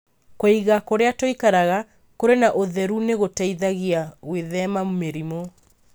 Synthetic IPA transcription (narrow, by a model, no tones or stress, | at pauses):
koiɣakoɾeatwoikaɾaɣa | koɾenaʔoðɛɾuneɣotaiðaɣiaɣweðɛmamomeɾimɔ